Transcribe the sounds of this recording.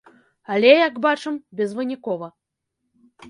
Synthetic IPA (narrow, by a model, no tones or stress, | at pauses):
alʲɛjaɡbat͡ʂɨmbʲɛzvɨnʲikɔvɐ